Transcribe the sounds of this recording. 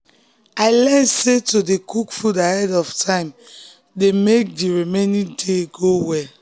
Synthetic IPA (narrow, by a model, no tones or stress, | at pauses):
aɪlɛnsetodekukfudahɛdɔftʰãɪ̃m | demek̚diɹimenĩdeɡowɛ